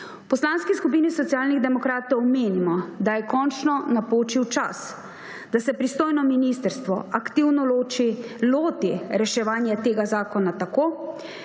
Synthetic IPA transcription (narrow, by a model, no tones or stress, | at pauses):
upɔslaːnskiskup̬iːnisɔt̪siaːlniɣd̪ɛmɔkɾaːt̪ɔwmeːnimɔd̪ajɛkɔnt͡ʃnɔnapoːt͡ʃiwt͡ʃa̰s | d̪asɛpɾist̪oːjnɔminist̪əɾst̪ʋɔakt̪iwnɔloːt͡ʃi | loːt̪iɾɛʃɛʋaːnjɛt̪eːɡazaːkɔnat̪akoː